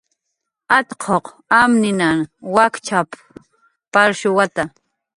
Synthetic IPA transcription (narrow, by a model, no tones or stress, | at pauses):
at̪qʰoq | amnɪnaŋwakt͡ʃap | paɾʃʊwat̪a